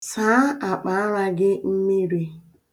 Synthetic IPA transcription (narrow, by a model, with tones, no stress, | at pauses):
sa˨˦a˨k͡pa˨˦a˦ɾa˦ɡɪ˦m̩˦mi˦ɾi˦